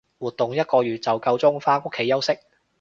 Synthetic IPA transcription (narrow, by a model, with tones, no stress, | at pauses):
wuː˨˩t̪̚ːʊ˨ŋjɐ˥t̚kɔː˧jyː˨t̚t͡sɐ˨wkɐ˧wt͡sʊ˥ŋfaː˥ŋʊ˥kʰːe˨˥jɐ˥wsɪ˥k̚